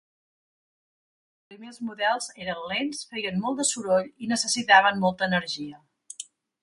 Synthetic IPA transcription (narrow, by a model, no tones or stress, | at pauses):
pɾimezmuðɛlˠzeɾənlensfejənmɔlˠd̪əsuɾoʎinəsəsit̪aβəmmɔlˠt̪əːnəɾʒiə